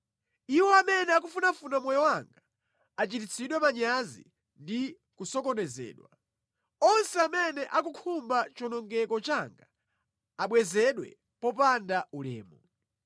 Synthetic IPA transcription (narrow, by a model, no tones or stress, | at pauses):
iwɔamɛnɛak̬ufunafunamwɔjɔwaŋɡa | at͡ʃitit͡sʰiɗwɛmaɲazḭ | ndi | kusɔkɔnɛzɛ̰ːɗwa | ɔnsɛamɛnɛʔak̬ukʰumbat͡ʃɔnɔŋɡɛkɔt͡ʃaŋɡa | aɓwɛzɛɗwɛ̰ | pɔpandaulɛ̰ːmɔ